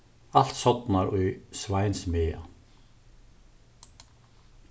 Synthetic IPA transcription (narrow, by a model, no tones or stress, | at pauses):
al̥t̪sɔt̪naɾʏjsvaːjnsmeːa̰